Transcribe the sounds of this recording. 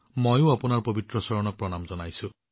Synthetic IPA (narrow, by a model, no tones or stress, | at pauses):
mojũapunaɾpɔbit̪ɾɔsɔɾɔɽ̃ɔk̚pɾɔñamd͡ʒɔnajsu